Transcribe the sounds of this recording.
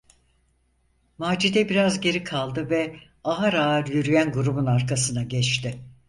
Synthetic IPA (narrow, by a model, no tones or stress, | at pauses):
maːd͡ʒid̪ɛbiɾazɟe̞ɾikʰalˠd̪ɯvɛ | aɦaɾaːɾjyɾyjænɡuɾubunaɾkʰasɯnaɟɛt͡ʃt̪ɪ